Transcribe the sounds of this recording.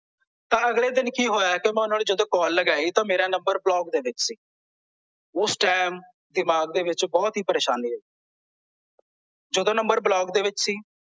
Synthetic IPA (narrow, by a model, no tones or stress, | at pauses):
t̪ãːəɡleːd̪ɪnkiːɦoːjaːkɪmɛ̃ːʊnaːneːd͡ʒəd̪õːkɔːlːəɡaːiːt̪ãːmeːɾãːnəmbəɾblɔːɡd̪eːʋɪt͡ʃsiː | ʊsʈɛːm | d̪ɪmaːɡ̚d̪eːʋɪt͡ʃbɔːt̪ɦiːpəɾeːʃaːniːo | d͡ʒəd̪õːnəmbəɾblɔːɡd̪eːʋɪt͡ʃsiː